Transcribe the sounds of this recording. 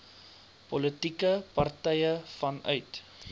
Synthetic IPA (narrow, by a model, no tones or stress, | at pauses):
pɔlətikəpɐrtɛjəfɐnœ̰ɥt